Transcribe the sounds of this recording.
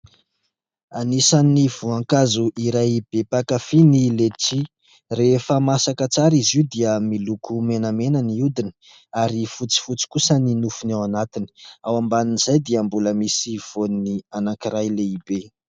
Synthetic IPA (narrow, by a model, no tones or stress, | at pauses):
anisaniv̥uaŋkazuʔiɾajb̥epakafinileʈ͡ʂi | refəmasakət͡saɾiziud̪iəmilukʰumenamenəniud̪inə̥ | aɾifut͡si̥fut͡si̥kusəninufunawanat̪ini̥awambaninz̥ajd̪iambuləmisiv̥oninianaŋkiɾajleibe